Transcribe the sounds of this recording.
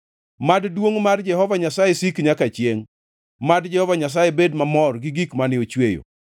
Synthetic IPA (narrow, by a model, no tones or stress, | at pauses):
maddwoŋmard͡ʒɛhɔvaɲasajesikɲakat͡ʃjeŋ | madd͡ʒɛhɔvaɲas̬ajebedmamɔrɡɪɡikmanɪot͡ʃwejo̰